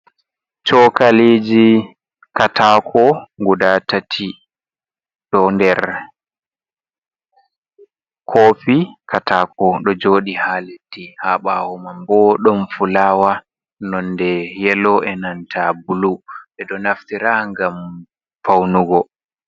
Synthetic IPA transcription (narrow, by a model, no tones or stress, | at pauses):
t͡ʃɔkaliːd͡ʒi | katʰakʰɔŋɡudatatʰi | ɗɔndɛɾ | kʰoːpikʰatʰaːkɔɗɔd͡ʒoːɗihaːletːihaɓahɔmambɔɗɔnfulaːwa | nɔndɛjɛlɔʔɛnantʰabuluɓɛɗɔnaftiɾaːŋɡam | fawnuɡɔ